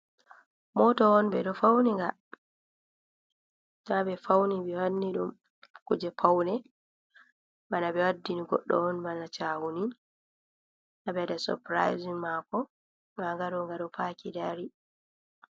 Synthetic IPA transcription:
mɔtɔɔnbɛɗɔfawniŋɡa | nabɛfawnibɛwanːiɗum | kud͡ʒɛpʰawnɛ | banabɛwadːiniɡɔ̰ɗːɔ̰ɔnbanat͡ʃaːwunin | nabɛdasɔ̰pɾa̰jzimakɔ | ŋaŋɡaɗɔŋɡaɗɔpakidaɾi

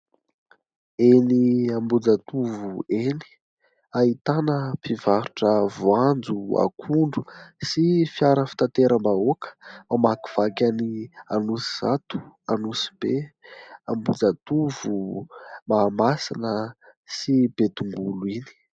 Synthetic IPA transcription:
eniambud͡zat̪uvueni̥ | ait̪anəpivaɾuʈ͡ʂəvuand͡zua̰kʰuɳɖ͡ʐusifjaɾəfi̥t̪at̪eɾʔəmbaokə̥mamaki̥v̥akʲanianusiz̥at̪u̥anusi̥b̥eambud͡zat̪uvumaːmasinə | sib̥et̪uŋɡuluini̥

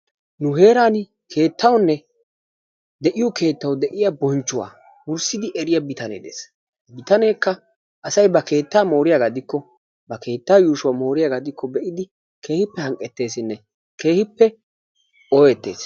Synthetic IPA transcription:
nʊɦe̞ːɾaːn | kʰe̞ːt̪ʰːɐwnːɛ | d̪ɛʔɪjɔkʰe̞ːt̪ːɐwd̪ɛʔɪjabɔnt͡ʃːʊwa̰ː | wʊɾsɪd̪ɪʔɛɾɪjabɪt̪ɐnḛːd̪ḛːs | bɪt̪ɐne̞ːkːɐ | ʔɐsɐjbɐkʰe̞ːt̪ːaːmo̞ːɾɪjaɡad̪ɪkːɔ | bɐke̞ːt̪ːaːjuːʃʊwaːmo̞ːɾɪjaːɡad̪ɪkʰːɔbɛʔɪd̪ɪ | kʰe̞ːhɪpːɛhɐŋkʼɛt̪ːe̞ːsɪnːɛ | kʰe̞ːhɪpːɛ | ɔjɛt̪ːe̞̰ːs

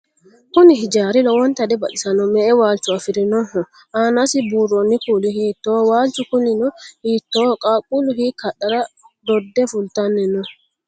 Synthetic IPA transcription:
kʊnɪhɪd͡ʒaːɾɪlɔwɔnt̪ɐd̪ɛbɐɗɪsɐnɔmɛʔɛwaːlt͡ʃʊafɪɾɪnɔhɔ | ʔaːnasɪbuːrɔnːɪkuːlihiːt̪ːowaːlt͡ʃʊkʊnɪnɔhiːt̪ːoːkʼaːkʼulʊhikʰɐɗɐɾa | d̪ɔd̪ːɛfʊlt̪anːɛnɔ

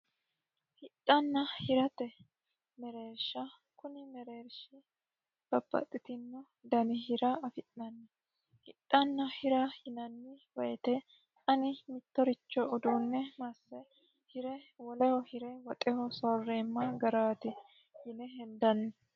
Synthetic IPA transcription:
hɪtʼːɐnːɐhɪɾɐt̪ɛ | mɛɾeːɾʃɐ | kʊnɪmɛɾeːɾʃɪ | b̥ɐbːɐ̰t̪ʼːɪt̪ɪnːɔ | d̪ɐnɪhɪɾɐɐfɪʔnɐnːɛ | hɪtʼːɐnːɐhɪɾɐhɪnɐnːɪwɐjɛt̪ɛ | ɐnɪmɪt̪ːɔɾɪt͡ʃːɔɔd̪uːnːɛmɐsːɛ | hɪɾɛwɔlɛhɔhɪɾɛwɐt̪ʼɛhɔsɔːrːeːmːɐɡɐɾaːt̪ɪ | hɪnɛɦɛnd̪ɐnːɛ

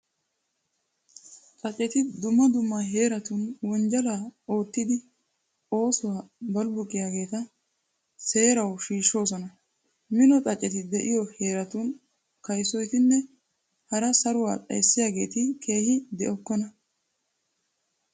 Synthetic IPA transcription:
t͡sʼɐt͡ʃʼːɛt̪ɪd̪ʊmːɐd̪ʊmːaːɦe̞ːɾɐt̪unwɔnd͡ʒɐlaːo̞ːt̪ːɪd̪ɪ | o̞ːsʊwaːbɐlbʊkʼːɪjaːɡe̞ːt̪ɐ | se̞ːɾɐwʃiːʃːo̞ːsɔnɐ | mɪnɔt͡sʼɐt͡ʃʼːɛt̪ɪd̪ɛʔɪjɔhe̞ːɾɐt̪uːn | kɐjsɔjt̪ɪnːɛ | hɐɾɐsɐɾʊwa̰ːpʼɐ̰jsːɪjaːɡe̞ːt̪ɪkʰe̞ːhɪd̪ɛʔɔkːɔnɐ

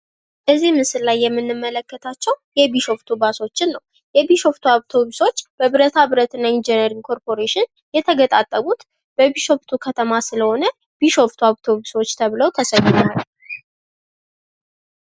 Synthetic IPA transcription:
ʔəzimɨsɨllajːɛmːɨnːɨmːələkːət̪ʰat͡ʃːɛwjɛbiʃo̞ft̪ʰubaso̞t͡ʃːɪnːəw | jɛbiʃo̞ft̪ʰuaβt̪ʰo̞buso̞t͡ʃːb̥əβɨɾət̪ʰabɨɾət̪ɨnaind͡ʒɛnəɾiŋkʰo̞ɾpʰo̞ɾeʃɪn | jɛt̪ʰəɡət̪ʼat̪ʼːəβut̪ | b̥əbiʃo̞ft̪ʰukʰət̪ʰəmasɨləho̞nə | b̥iʃo̞ft̪ʰuaβt̪ʰo̞βuso̞t͡ʃːt̪ʰəβləwt̪ʰəsəjːɪnal

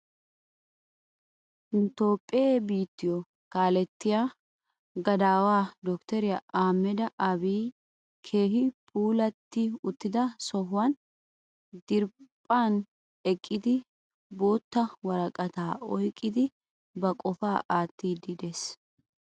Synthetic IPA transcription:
ɪnt̪o̞ːpʼːɪebiːt̪ːɪjɔ | kaːlɛt̪ːɪjaː | ɡɐd̪aːwaːd̪ɔkt̪ɛɾɪjaʔaːmːɛd̪ɐʔɐbiː | kʰe̞ːɦɪpʼuːlɐt̪ːɪʊt̪ːɪd̪ɐsɔɦʊwɐn | d̪ɪɾpʼːaːn | ɛkʼːɪd̪ɪ | bo̞ːt̪ːɐwɐɾɐkʼɐt̪aːɔjkʼːɪd̪ɪ | bɐkʼɔfaːʔaːt̪ːiːd̪ɪd̪es

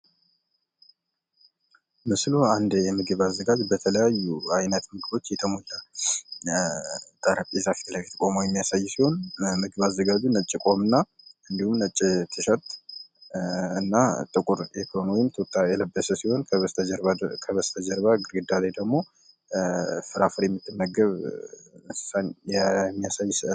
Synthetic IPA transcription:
mɨsluand̪jɛmɨɡɨβazːəɡad͡ʒbət̪ʰələjajːuajnət̪mɨɡɨbo̞t͡ʃːjɛt̪ʰəmula | t̪ʼaɾapʼizafi̥t̪lajt̪ʰəkʼo̞mujɛmːijasajːsiho̞nmɨɡɨβazːəɡad͡ʒunət͡ʃʼːikʼo̞mɨnːa | ɨnd̪ihumnət͡ʃʼːit̪ʰɨʃət̪ʼ | ɨnːat̪ʼɨkʷʼʊɾjɛk̪ʰəonwɔjɪmt̪ʰot̪ʼːajɛləbːəsəsiho̞nkʰəβəst̪ʰɾakʰəβəst̪ʰəd͡ʒəɾbaɡɨɾɡɨd̪alajd̪əɡmo̞ | fɨɾafɨɾjɛmːɨt̪ːɨmːəɡəβmɨsɨ̥sanjɛmːijasajːsɨʔ

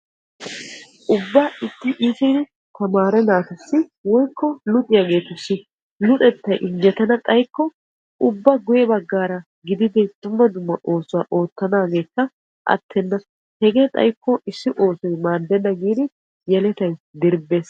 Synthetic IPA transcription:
ʔʊbːɐɪt̪ːɪʔɪsɪ | t̪ɐmaːɾɛnaːt̪ʊsːɪwɔjkːɔlʊt̪ʼɪjaɡe̞ːt̪ʊsːɪ | lʊt̪ʼɛt̪ːɐjʔɪŋɡɛt̪ɐnɐt̪ʼɐjkːɔ | ʔʊbːɐɡʊjɛbɐɡːaːɾɐ | ɡɪd̪ɪd̪ɪd̪̥ʊmːɐd̪ʊmːɐʔo̞ːsʊwaːʔo̞ːt̪ːɐnaːɡe̞ːkːɐ | ʔɐ̰t̪ʰːɛnːɐ | hɛɡeːt̪ʼɐ̰jkʰːɔʔɪsːɪʔo̞ːsɔjmaːd̪ɛnːɐɡiːd̪ɪ | jɛlɛt̪ɐjd̪ɪɾbːeːs

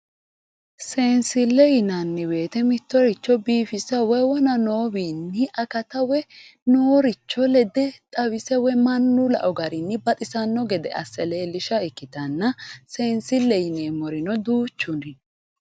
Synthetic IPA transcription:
se̞ːnsɪlːɛjɪnɐnːɛwe̞ːt̪ɛmɪt̪ːɔɾɪt͡ʃːɔbiːfɪsɐwɛwɔnɐno̞ːwiːnːɪʔɐkɐt̪ɐwɛnoːɾɪt͡ʃːɔlɛd̪ɛt̪ʼɐwɪsɛwɛmɐnːʊlɐ̰ʔɔɡɐɾɪnːɪbɐt̪ʼɪsɐnːɔɡɛd̪ɛ̰ʔɐ̰sːɛleːlɪʃɐɪkːɪt̪ɐnːɐse̞ːnsɪlːɛjɪneːmɔɾɪnɔd̪uːt͡ʃːʊnɪ

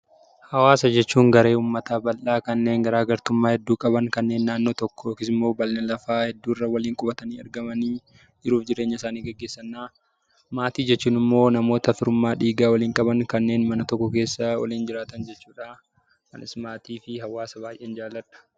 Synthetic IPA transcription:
hɐwaːsɐd͡ʒɛt͡ʃːuːŋɡɐɾe̞ːuːmːɐt̪aːbɐlʔaːkɐnːe̞ːŋɡɐɾaːɡɐɾt̪ʊmːaːhɛd̪ːuːkʼɐbɐŋkɐnːe̞ːnːaːnːo̞ːt̪ɔkːɔ̥oːkɪsɪmːo̞ːbɐlnɐlɐfaːhɛd̪ːuːrːɐwɐliːŋkʼʊbɐt̪ɐniːɐ̰ɾɡɐmɐniː | d͡ʒɪɾuːfd͡ʒɪɾe̞ːɲːɐɪsaːniːɡɐɡːe̞ːsːɐnːaː | maːt̪iːd͡ʒɛt͡ʃːuːnɪmːo̞ːnɐmo̞ːt̪ɐfɪɾʊmːaːᶑiːɡaːwɐliːŋkʼɐbɐŋkɐnːeːnmɐnɐt̪ɔkːɔke̞ːsːawɔ̰liːnd͡ʒɪɾaːt̪ɐnd͡ʒɛt͡ʃːuːᶑaː | kɐ̰nɪ̰smaːt̪iːfɪɦɐwaːsɐbaːjʔeːnd͡ʒaːlːɐᶑɐ̥

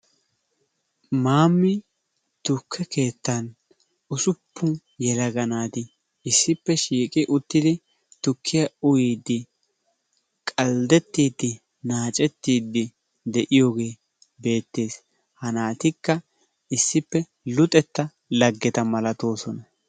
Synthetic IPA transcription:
maːmːɪ | t̪ʊkʰːɛke̞ːt̪ːɐn | ʊsʊpːʊ | jɛlɐɡɐnaːt̪ɪ | ɪsːɪpːɛʃiːkʼɪʔʊt̪ːɪd̪ɪ | t̪ʊkʰːɪjɐʊjiːd̪ːɪ | kʼɐld̪ɛt̪ːiːd̪ːɪ | naːt͡ʃʼɛt̪ːiːd̪ːɪ | d̪ɛʔɪjoːɡe̞ː | be̞ːt̪ːe̞ːs | hɐnaːt̪ɪkːɐ | ɪsːɪpːɛ | lʊt̪ʼɛt̪ːɐ | lɐɡːɛt̪ɐmɐlɐt̪o̞ːsɔnɐ

